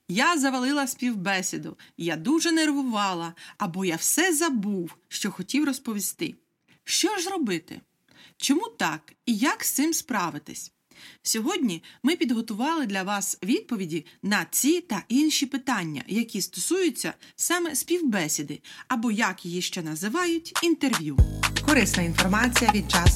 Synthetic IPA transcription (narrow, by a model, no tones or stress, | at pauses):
jazɐʋɐlˠɪlˠɐsʲpʲiwbɛsʲɪd̪ʊjad̪uʒɛnerʋʊʋɑlˠɐːbɔjawsɛzɐbuwʃt͡ʃɔxɔtʲiwrɔspɔʋʲist̪ɪ̰ | ʃt͡ʃɔʒzɾɔbɪt̪ɪ̰ | t͡ʃɔmut̪ɑkijakst̪ɪmspɾɑʋɪt̪ɪ̰sʲ | sʲɔɦɔdʲnʲimɪpʲid̪ɦɔt̪ʊʋɑlˠɪd̪lʲɐʋɑsʋʲid̪̚pɔʋʲidʲinɐt͡sʲit̪ɐʔinʃʲipɪt̪ɑnʲːɐ̰jɐkʲist̪ɔsujʊt͡sʲːɐ̰sɑmɛspʲiwbɛsʲid̪ɪɐbɔjɐkjijiʃt͡ʃɛnɐzɪʋɑjʊtʲint̪erʋʲjukɔɾɪsnɐinfɔrmɑt͡sʲijɐʋʲid̪̚t͡ʃɑs